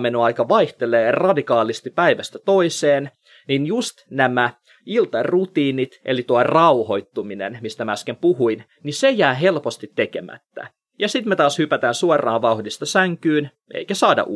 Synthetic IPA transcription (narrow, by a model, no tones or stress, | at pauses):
menoɑjkɑʋɑiht̪eleːrɑdikɑːlist̪ipːæiʋæst̪æt̪oiseːn | ninjust̪næmæ | ilt̪ɑrut̪iːnit̪ʔelit̪uɑrɑuho̞it̪ːuminḛnmist̪æmɑskempuhuin | nisejæːɦe̞lpost̪it̪ːekemæ̰t̪ːæ̰ | jɑsit̪met̪ɑːshypæt̪æːnsuɑrˑɑːʋʋɑuhdist̪ɑsæŋkyːn | ʔḛikæsɑːdɑ̰ʔu